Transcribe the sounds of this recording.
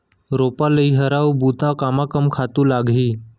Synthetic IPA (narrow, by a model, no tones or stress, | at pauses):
ɾopaləiɦəɾawbut̪akamakəmkʰat̪uːlaɡʱiː